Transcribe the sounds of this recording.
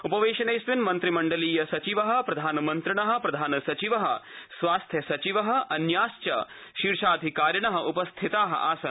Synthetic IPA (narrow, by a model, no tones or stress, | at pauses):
upɐʋeːʃɐneːsʋinmɐnt̪ɾimɐɳɖɐliːjɐsɐt͡ʃiʋɐɦɐ̆pɾɐd̪ʱaːnɐmɐnt̪ɾɪɳɐɦɐ̆pɾɐd̪ʱaːnɐsɐt͡ʃiʋɐɦɐ̆sʋaːst̪ʰjɐsɐt͡ʃiʋɐɦɐ̆ɐnjaːst͡ʃɐ̰ | ʃiɾʃaːd̪ʱikaːɾjɐɳɐɦɐ̆ʔupɐst̪ʰit̪aːɦɐ̰ʔa̰ːsɐn